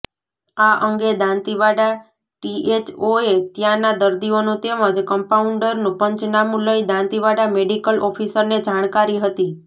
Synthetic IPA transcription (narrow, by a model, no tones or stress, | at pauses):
aʔəŋɡed̪ãnt̪iʋaɽa | ʈiʔet͡ʃoet̪jãnad̪əɾd̪ionũt̪eməd͡ʒkəmpauɳɖəɾnũpəɲt͡ʃnamũləjd̪ãnt̪iʋaɽameɖikəlʔɔfʰisəɾned͡ʒaɽ̃kaɾiɦət̪i